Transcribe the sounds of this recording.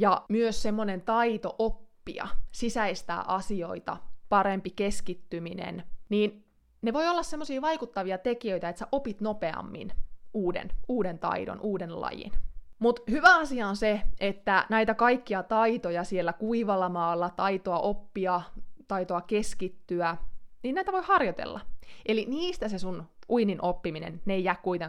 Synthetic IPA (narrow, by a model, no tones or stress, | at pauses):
jɑmyøssemːonent̪ɑit̪oʔopːḭɑ̰sisæist̪æ̰ːʔɑsio̞̰it̪ɑ̰pɑɾempikeskit̪ːyminḛnniːn | neʋo̞iolːɑssemːosiːʋɑikut̪ːɑʋiɑt̪ekiøit̪æet̪sæʔopit̪nopeɑ̰mːḭnuːdḛnuːdent̪ɑ̰ido̰nʔuːdenlɑ̰jḭnmut̪hyʋæɑsiɑonseʔet̪ːænæit̪ækɑikːiɑt̪ɑit̪ojɑsielːækuiʋɑlːɑmɑːlːɑt̪ɑit̪oɑʔopːiɑt̪ɑit̪oɑkeskit̪ːyæniːnnæit̪æʋojhɑrjot̪ḛlːɑ̰ʔeliniːst̪æsesunʔuininʔopːiminḛnnejæːkkuit̪eŋ